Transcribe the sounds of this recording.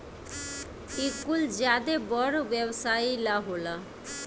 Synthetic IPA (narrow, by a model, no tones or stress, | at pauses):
ikuld͡ʑad̪ebɔɾobɛbsajilaɦola